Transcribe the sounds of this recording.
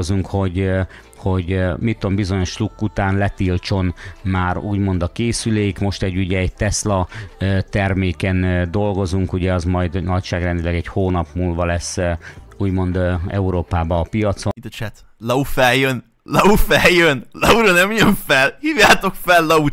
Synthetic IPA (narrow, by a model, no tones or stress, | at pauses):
zuŋkho̞ɟ | ho̞ɟmit̪ːombizo̞ɲo̞ʃlukːut̪aːnlɛt̪ilt͡ʃo̞nmaːruːɟmo̞nd̪ɒkeːsyleːikmo̞ʃt̪ɛɟːuɟɛːɟ̚t̪ɛslɒøt̪ɛrmeːkɛnd̪o̞lɡo̞zuŋkuɟɛɒzmɒjd̪nɒcʃaːɡrɛnd̪ilɛɡɛchoːnɒpmuːlvɒlɛsːuːɟmo̞nd̪ɛ̰uɾoːpaːbɒːpijɒt̪sʋit̪ɔt͡ʃɛt̪ | lɒufɛljøn | lɒufɛljønlɒuɾonɛmjøɱfɛlhiːvjaːt̪o̞kfɛlːɒu